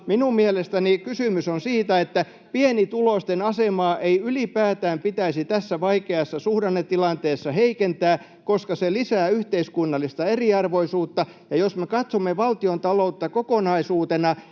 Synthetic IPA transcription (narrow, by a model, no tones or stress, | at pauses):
minummielest̪ænikysymysonsiːt̪æet̪ːæ | pienit̪ulost̪enɑsemɑːʔeiylipæːt̪æːmpit̪æisit̪æsːæʋɑikeɑsːɑsuhɾɑnːet̪ːilɑnt̪eːsːɑheikent̪æː | koskɑselisæːyht̪eiskunːɑlːˑist̪ɑeriɑrʋoisuːt̪ːɑ | jɑjosmekɑt̪somːeʋɑlt̪iont̪ɑlout̪ːɑkokonɑisuːt̪enɑ